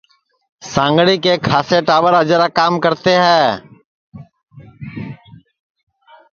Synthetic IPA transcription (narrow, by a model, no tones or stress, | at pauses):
sãːŋɡɽiːkekʰaːseʈaːʋəɾɦəd͡ʒɾakaːmkəɾt̪eɦɛ̃ː